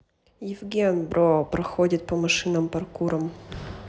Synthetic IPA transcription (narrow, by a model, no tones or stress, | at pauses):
jɪvɡʲenbɾopɾɐxodʲɪt̪̚pɐmɐʂɨnɐmpɐrkuɾəm